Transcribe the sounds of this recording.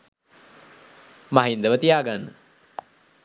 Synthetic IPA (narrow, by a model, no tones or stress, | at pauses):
maɦind̪əʋət̪ijaːɡanːə